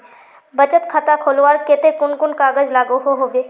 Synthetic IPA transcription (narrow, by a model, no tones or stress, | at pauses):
bəd͡ʒət̪kʰət̪akʰoːlʋaːɾkɪt̪ekʊnkʊnkaːɡəd͡ʒlaːɡoɦoɦoːɡeː